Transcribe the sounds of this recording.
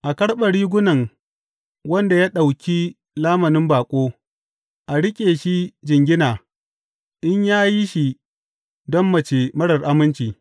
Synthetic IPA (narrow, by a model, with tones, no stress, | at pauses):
ʔa˨kɐ˦ɽɓɐ˨ɽiː˦ɡʷʊ˦nɐ˨ŋ | wɐ˦nda˨jaː˦ɗa˨wkʲi˦ | laː˦mɐ˨nɪ˦mbaː˨kʷʼoː˦ | ʔa˨ɽɪ˦kʲʼeː˨ʃi˦d͡ʒɪ˨ŋɡʲɪ˦naː˨ | ʔɪ˦ɲjaː˦ji˦ʃi˨ | dɔ˦mːɐ˨t͡ʃeː˨mɐ˦ɽɐ˨rʔa˦mɪ˦nt͡ʃiː˨